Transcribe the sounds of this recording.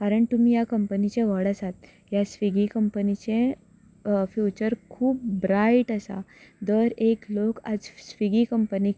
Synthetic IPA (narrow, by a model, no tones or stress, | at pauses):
kaɾəɳt̪umijakəmpənit͡ɕẽʋəɽəsat̪̚ | jasʋiɡikəmpənit͡ɕẽ | fjut͡ɕəɾkʰuːp̚bɾaiʈasa̰d̪əɾeklokad͡zsʋiɡikəmpəni